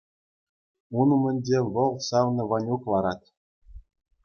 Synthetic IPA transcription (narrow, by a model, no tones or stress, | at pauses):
unumʲɘ̆nʲdʲeʋɤ̆lˠsɑwnɤ̆vɑnʲuklˠɑɾɑt̪